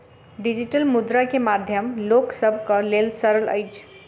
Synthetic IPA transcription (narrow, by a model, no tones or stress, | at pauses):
ɖid͡ʒiʈəlmud̪ɾakemad̪ʱjəmloksəbʱkəlelsəɾələ̰ɪt͡ʃʰ